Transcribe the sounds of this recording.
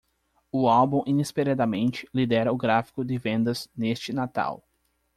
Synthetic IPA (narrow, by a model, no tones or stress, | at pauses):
ʊawbũʔĩnispeɾad̪ɐmẽnt͡ʃɪ̥lid̪ɛɾɐʊɡɾafi̥kʊd̪ɪvẽnd̪ɐz̥nest͡ʃɪnat̪a̰w